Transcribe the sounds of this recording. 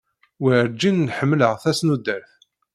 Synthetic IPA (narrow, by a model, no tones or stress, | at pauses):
wiɾd͡ʒːinːħəmːləʁθæsnud̪əɾθ